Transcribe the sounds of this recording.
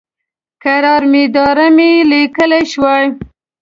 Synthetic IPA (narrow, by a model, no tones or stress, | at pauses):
kaɾɑɾmed̪ɑɾamelikəlajʃwaj